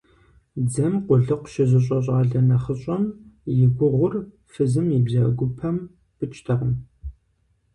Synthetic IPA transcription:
d͡zɐmqʷʊɮɨqʷʃɪzɨɕ̬ʼɐɕ̬ʼaːɮɐnɐχəɕʼɐmjɪɡʷʊʁʷʊr | fɨzɨmjɪbzɐɡʷʊpʰɐm | pɨt͡ʃʼtʰɐʁəm

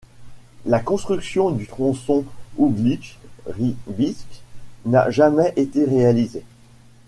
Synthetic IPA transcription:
lakɔ̃st̪χyksjɔ̃d̪yt̪χɔ̃sɔ̃ublikʁibiskna̰ʒamɛʔet̪eʁealize

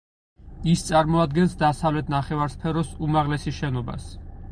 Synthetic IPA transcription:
ist̪sʼaɾmɔad̪ɡɛnsd̪asavlɛt̪ʰnaχɛvaɾspʰɛɾɔsumaʁlɛsiʃɛnɔba̰s

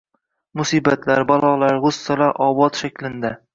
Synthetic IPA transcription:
mʊsiːbat̪laɾbalˠɒlˠaɾʁʊsːalaʔɒbɒt̪ʃakʲlɪnd̪a

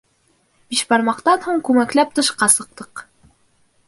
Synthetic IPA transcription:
b̥iʃbɑɾmɑqt̪ɑnhuɴkʉŋæklæp̚t̪ɤ̆ʃqɑsɤ̆q̚t̪ɤq

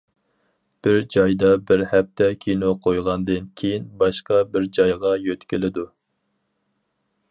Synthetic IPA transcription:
b̥ɪɾd͡ʒɑjd̪ɑbɪɾhɛp̚t̪ʰɛkʲʰinoqʰojʁɑnd̪ɨnkʲʰejinbɑʃqɑbɪɾd͡ʒɑjʁɑjøt̪kʲilɪd̪u

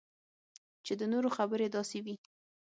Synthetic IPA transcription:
t͡ʃed̪ənoɾoxabəɾed̪ɑsewi

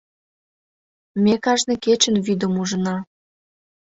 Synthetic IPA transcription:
mʲekɑʒnĕket͡ɕə̆nvyd̪ə̆muʒə̆nɑ

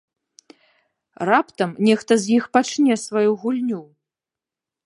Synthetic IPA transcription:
rapt̪ɐmnʲɛxt̪ɐzʲjixpat͡ʂnʲɛsvajuɣulʲnʲu

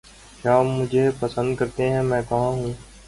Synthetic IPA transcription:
ʃaːmːʊd͡ʒʱepəsə̃nd̪kɐɾt̪eɦɛ̃mɛ̃ːkɐɦãɦũː

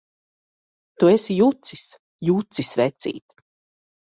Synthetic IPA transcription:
t̪uesijut̪sis | jut̪sisvɛt̪sḭːt̪

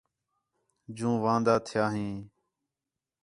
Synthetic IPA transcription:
d͡ʒũːʋãːnd̪aːt̪ʰɪjaːɦĩː

